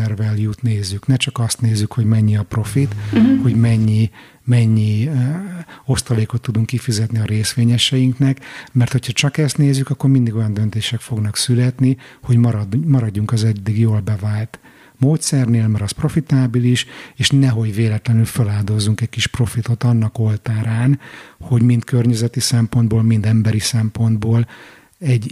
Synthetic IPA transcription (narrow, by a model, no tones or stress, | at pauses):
ɛrvɛljut̪neːzːyknɛt͡ʃɒkɒst̪neːzːykho̞ɟmɛɲːiɒpro̞fit̪ho̞ɟmɛɲːi | mɛɲːi | o̞st̪ɒleːko̞t̪ːud̪uŋkːifizɛt̪niɒɾeːsʋeːɲɛʃɛjiŋknɛkmɛrt̪hocʰhɒt͡ʃɒkɛst̪neːzːykɒkːo̞rmind̪iɡo̞jɒnd̪ønt̪eːʃɛkfo̞ɡn̪ɒksylɛt̪niho̞ɟmɒɾɒd̪mɒɾɒɟːuŋkɒzɛd̪ːiɡjoːlbɛvaːlt̪ | moːt̪sɛrneːlmɛɾɒspro̞fit̪aːbiliʃeːʃnɛɦo̞ɟveːlɛt̪lɛnylfølaːld̪o̞zːuŋkɛcʲkiʃpro̞fit̪o̞t̪ɒnːɒko̞lt̪aːɾaːnho̞ɟmint̪kørɲɛzɛt̪isɛmpo̞nd̪boːlmind̪ɛmbɛɾisɛmpo̞nd̪boːl | ɛɟː